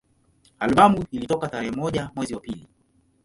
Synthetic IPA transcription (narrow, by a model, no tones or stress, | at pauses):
alɓamuilitɔkataɾɛhɛmɔʄamwɛziwapili